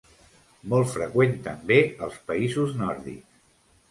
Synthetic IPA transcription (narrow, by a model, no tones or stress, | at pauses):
mɔlˠfɾəkwent̪əmbeəlˠspəizuznɔɾðḭks